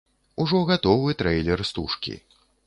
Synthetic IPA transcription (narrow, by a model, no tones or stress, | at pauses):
uʐɔɣat̪ɔvɨt̪ɾɛjlʲɛrst̪uʂkʲḭ